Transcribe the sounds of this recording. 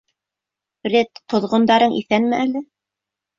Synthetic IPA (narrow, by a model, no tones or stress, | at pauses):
ret̪ʰːŏðʁŏnd̪ɑɾɤɴʔḭθænmɘʔælɘ